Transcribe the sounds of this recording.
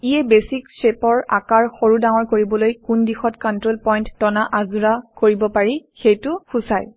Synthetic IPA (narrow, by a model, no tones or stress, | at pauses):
ijɛbesiksepɔɹa̰kaɹxoɹudaŋɔɹkoɹibɔlojkundixɔtkɔntɹolpɔjntːɔnaʔazuɹakoɹibɔpaɹixejtʊxusaj